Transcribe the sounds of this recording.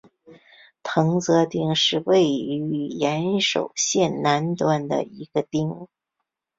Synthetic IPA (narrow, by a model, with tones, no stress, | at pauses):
t̪ʰɤ˧˥ŋt͡sɤ˧˥t̪i˥˧ŋʂɻ̩˥˧we˥˩ɪy˧˥jɛ˧˥nʂo̰˨˩ʊɕjɛ˥˩nna˧˥nt̪wa˥˩nd̪ə̰˨i˧˥ɡ̥ə˧t̪i˥˩ŋ